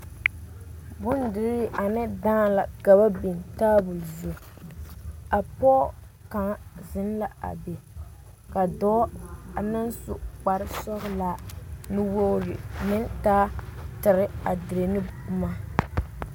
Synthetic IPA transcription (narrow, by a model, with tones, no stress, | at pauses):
bʊ˦ndɪ˨ɾi˦ʔa˨nɨ˦daː˦˨la˨ɡa˨ba˦bi˨ntaː˦bʊ˨lzo˨ | a˨pɔ˦ | ka˨ŋ˦zɪ˦n˦la˨a̰˨be˨ | ka˨dɔ˦a˨nɨ˦nsʊ˦˨k͡pa˨ɾɪ˦sɔ˦ɣʊ˦la˨nɨ˦wo˦ɾɪ̰˨nɪ˦ntaː˦tɪ˨ɾɪ˦a˨dɪ˨ɾe˨nɨ˦bʊ˦ma˦